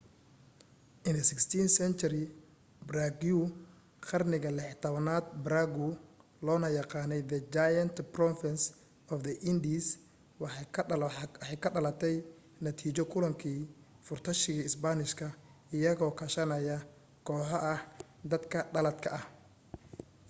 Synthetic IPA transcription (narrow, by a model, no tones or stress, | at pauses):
ʔɪnd̪ɐsɪkst̪ʰiːnsɛnt͡ʃɐɾɪ | braɡu | qɑrnɪɣɐlɪħt̪ʰɐβɐnaːd̪̚bɾaɡʊ | lɔːnɐjɑqɑːnɛjðɐd͡ʒajɐnt̪prɔfɪns | ɔfd̪ɐʔɪnd̪is | wħɑjkʰɐɖɐlɐt̪ʰɛj | nɐt̪ʰiːt͡ʃɔkʰʊlɐŋkʰiː | fʊrt̪ʰɐʃɪɣɐɪsbanɪʃkʰɐ | ɪjɐɣɔːkʰɐʃɐnɐjɐ | kʰɔːħɔʔɐh | d̪ɐd̪kʰɐɖɐlɐd̪kʰɐʔɐh